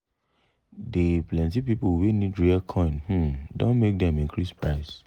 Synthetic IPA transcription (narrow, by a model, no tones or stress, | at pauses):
deplɛ̃ntipipowenidɹiakʰɔ̃ɪ̃nh̩dõ̰nmek̚dɛ̃mĩŋkʰɹispɹaɪs